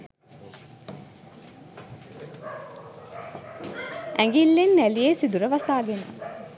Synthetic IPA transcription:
ʔæŋɡilːenːælieːsid̪uɾəʋɐsaːɡena̰

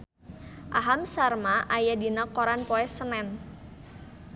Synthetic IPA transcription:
ʔaɦamsarmaʔajadinɔkoɾanpɔɛsənɛn

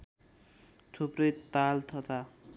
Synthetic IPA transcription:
t͡sʰoprʌjt̪alt̪ʰʌt̪ʰa

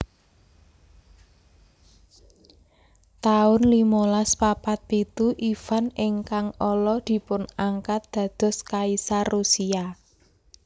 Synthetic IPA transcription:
t̪aʊnlimolaspapat̪̚pit̪uʔifanɪŋkaŋɔlɔd̪̥i̤pʊnaŋkat̪̚d̪̥ä̤d̪̥ɔ̤skaisarusia

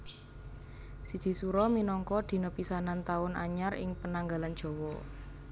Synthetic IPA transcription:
sid̥ʒ̥i̤suɾɔminɔŋkɔd̪̥i̤nɔpisanant̪aʊnʔa̰ɲarɪ̰ŋpənaŋɡalan̥ʒ̥ɔ̤wɔ

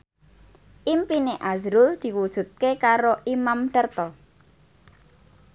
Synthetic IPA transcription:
ʔimpineʔazɾʊld̪̥i̤wud̥ʒ̥ṳt̪̚kekaɾoʔimamɖ̪ərt̪ɔ

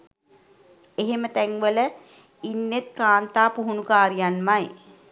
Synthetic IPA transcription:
eɦemət̪æŋʋələ | inːet̪̚kaːnt̪aːpuɦunukaːɾijanmaj

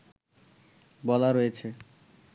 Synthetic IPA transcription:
bɔlaɾojet͡ɕʰe

